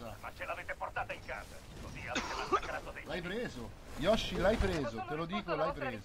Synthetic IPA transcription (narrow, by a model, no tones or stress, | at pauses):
a̰ma̰t͡ʃːelaveːt̪eport̪aːt̪aiŋka̰ːza̰ | loviavet̪emaakːaɾat̪od̪elajpɾeːzo | jɔʃːilajpɾeːzot̪elod̪iːkolajpɾeːz